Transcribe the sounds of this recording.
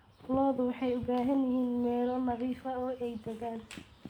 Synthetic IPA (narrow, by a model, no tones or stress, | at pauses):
fʊlɔːðʊwɑħɑjʊbaːɦɐnjɪhiːnmɛːlɔnɐɣiːfɐɔːʔɛjd̪ɐɣaːn